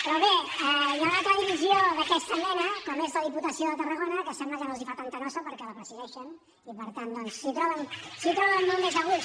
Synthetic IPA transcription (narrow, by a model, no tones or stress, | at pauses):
pɾɔβeɛləɣat̪ləðiβizioðəkɛst̪əɛnəkɔmezðəðiput̪əsioðət̪ərəɣonəkəsɛmbləʒanolzifat̪ant̪ənɔsəpəɾkɛləpɾəziðɛʃən | ipəɾt̪and̪ɔnsːit̪ɾɔβənsit̪ɾɔβənːolˠmezəɣu